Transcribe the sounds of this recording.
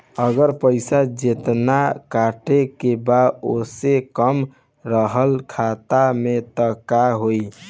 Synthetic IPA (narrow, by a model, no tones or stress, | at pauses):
əɡəɾpəɪsad͡ʒet̪nakaʈekebaosekəm | ɾəɦəlkʰat̪amet̪əkaɦoi